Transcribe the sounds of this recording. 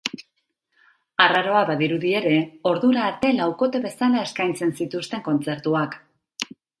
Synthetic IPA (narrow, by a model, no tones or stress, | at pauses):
araɾo̞aβaðiɾuðie̞ɾe̞o̞ɾðuɾaːɾt̪e̞lawko̞t̪e̞βe̞salae̞skajnt͡se̞nsit̪ust̪e̞ŋko̞nt͡se̞ɾt̪uak